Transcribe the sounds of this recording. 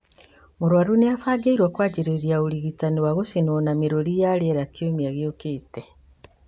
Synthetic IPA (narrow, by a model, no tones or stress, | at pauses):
muɾwaɾuneafaːɡeiɾwakwaːɟiɾeɾjauliɣitaniwaɣosinwonamiɾoɾijaleɾakjomiaɣjokeːte